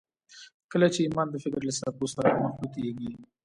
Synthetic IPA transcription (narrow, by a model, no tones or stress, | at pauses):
kəlat͡ʃeimɑnd̪əfɪkɾlasaposaɾamaxbut̪eɡi